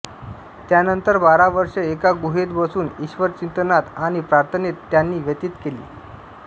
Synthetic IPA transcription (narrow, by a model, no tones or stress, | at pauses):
t̪janənt̪əɾbaɾaʋəɾʂəekaɡuɦet̪bəsuːniɕʋəɾt͡ɕint̪ənat̪aɽ̃ipɾaɾt̪ʰənet̪ːjanːiːʋjət̪it̪kelḭː